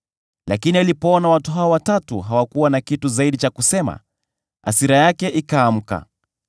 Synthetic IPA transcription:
lakinialipɔɔnawatuɦaɔwatatṵɦawakuwanakituzaiɗit͡ʃakusɛma̰ | a̰siɾajakɛʔikaːm̩ka̰

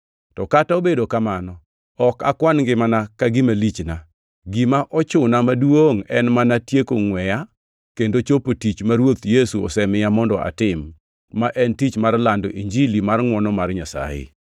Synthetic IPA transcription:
tɔkataobedokamanɔ | ɔka̰kwanɡɪmanakaɡɪmalit͡ʃna | ɡimaʔɔt͡ʃʊnamadwoŋɛnmanatjekoŋwɛja | kendot͡ʃopotit͡ʃmaɾwot̪jesuɔ̰sɛmɪjamɔndɔʔa̰tɪmː | aʔɛntit͡ʃmarlandɔʔiɲd͡ʒilimarŋwɔnɔmarɲasa̰jɪ̰

